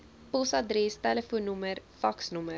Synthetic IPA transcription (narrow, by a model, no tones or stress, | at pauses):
pɔsɐdɾɛstæləfuːnːuməɾfɐksnumə